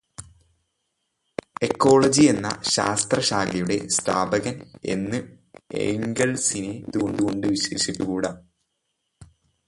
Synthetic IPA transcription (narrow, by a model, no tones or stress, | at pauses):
e̞kːo̞ːɭɐd͡ʑie̞nːɐ̰ɕa̰ːst̪rɐɕaːɡɐjuɽe̞̰sta̰ːbɐɣɐne̞̰nːɨ | ḛːŋɡɐlsinet̪ːuɣo̞ɳɖuɣo̞ɳɖɨʋiɕwɐʂiʈːukuːɽaː